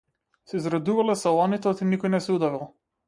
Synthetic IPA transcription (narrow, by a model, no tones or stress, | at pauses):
sɛzɾad̪uvalɛsalˠɔnit̪ɔt̪inikɔjnɛsɛud̪avilˠ